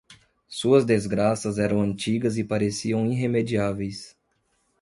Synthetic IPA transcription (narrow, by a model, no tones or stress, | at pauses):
suɐzd̪ezɡɾasɐzɛɾɐ̃w̃ɐ̃nt͡ʃiɡɐzɪpaɾesiɐ̃w̃ĩɦemed͡ʒiavejs